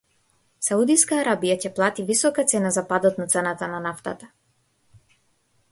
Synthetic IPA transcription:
saud̪iskaːɾabijacɛplˠat̪ivisɔkat̪sɛnazapad̪ɔt̪nat̪sɛnat̪ananaft̪a̰t̪ḁ

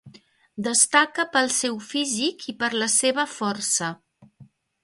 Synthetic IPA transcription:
d̪əst̪akəpəlˠsɛwfizikipəɾləseβ̞əfɔɾsə

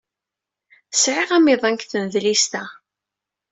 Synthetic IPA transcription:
sʕiʁæmiðˤæŋkθnðlist̪æ

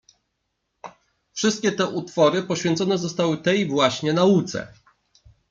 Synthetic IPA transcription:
fʂɘst̪̚kʲɛt̪ɛʔut̪fɔɾɘpɔɕfʲjɛnt̪sɔnɛzɔst̪awɘt̪ɛjvwaɕɲɛnaut̪sɛ̰

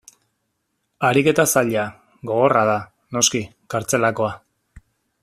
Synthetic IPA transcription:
aɾike̞t̪asaʎa | ɡo̞ɣ̞o̞raða | no̞ski | kaɾt͡se̞lako̞a

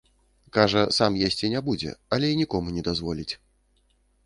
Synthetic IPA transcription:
kaʐɐsamjesʲt͡sʲinʲɛbud͡zʲɛ̰ɐlʲɛinʲikɔmunʲɛd̪azvɔlʲit͡sʲ

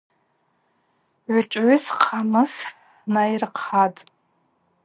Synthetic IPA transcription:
ʕʊt͡ʃʷʼʕʏsqʰamɨs | najrqʰatʼ

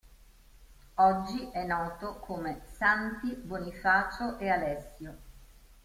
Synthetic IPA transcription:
ɔd͡ʒːiʔɛnːɔːt̪okʰomesant̪ibonifaːt͡ʃoʔealɛsːjo

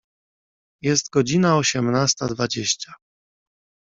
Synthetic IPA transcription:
jɛst̪ɡɔd͡ʑinaɔɕɛmnast̪ad̪vad͡ʑeɕt͡ɕa

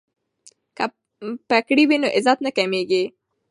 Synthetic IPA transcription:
ka | pakɽiwinoʔɪzɑt̪nakameɡi

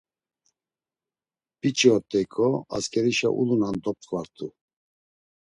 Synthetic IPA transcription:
pʼit͡ʃʼɔt̪ʼɛkʼɔa̰skʰʼɛɾiʃa̰ʔṵlunand̪ɔp̚χʼvaɾt̪ʰʼu

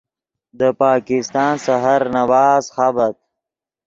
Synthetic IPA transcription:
d̪əpɑːkɪst̪ɑːnsaɦaɾnawɑːzxabat̪̚

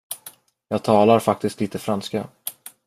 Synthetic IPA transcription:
jɑːɡ̚t̪ʰɑːlaɾfak̚t̪ɪst̪liːt̪əfɾanska

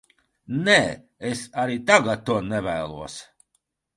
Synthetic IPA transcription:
nɛː | esaɾiːt̪aɡat̪̚t̪ːuɔnɛvæːlˠuɔs

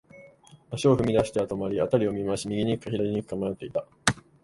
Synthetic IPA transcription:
aɕioɸɯ̟mʲid̪aɕi̥t̪eat̪o̞maɾʲiat̪aɾʲio̞mʲimaɕimʲiɡʲiɲ̟ikɯ̟kːaçʲid̪aɾʲiɲ̟ikɯ̟̥kamajot̪ːe̞it̪a

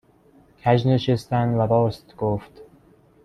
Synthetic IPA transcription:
kʲʰæʒneʃest̪ænd̪væbɒːst̪ɡ̥oft̪

